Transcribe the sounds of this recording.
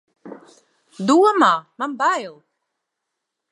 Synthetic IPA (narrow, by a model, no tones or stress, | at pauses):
d̪uɔmaːmanbail